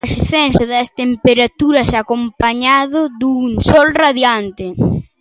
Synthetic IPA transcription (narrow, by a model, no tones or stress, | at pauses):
sθɛnsʊðɐst̪empeɾat̪uɾɐsakompaɲaðʊðuŋsɔlraðjant̪ɪ